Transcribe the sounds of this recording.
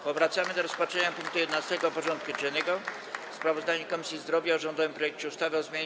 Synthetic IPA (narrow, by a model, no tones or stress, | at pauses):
pɔvɾat̪samɘd̪ɔɾɔspat͡ʂɛɲapuŋk̚t̪ujɛd̪ɛnast̪ɛɡɔpɔʐɔnt̪̚kuʐɛnɛɡɔ | fspɾavɔzd̪aɲɛkɔmisʲjizd̪ɾɔvʲjaɔʐɔnd̪ɔvɘmpɾɔjɛkt͡ɕɛust̪avɔzmʲeɲ